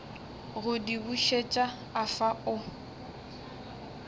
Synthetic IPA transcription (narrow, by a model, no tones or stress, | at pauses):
ɣʊdibuʃet͡ʃʼaː | faʊ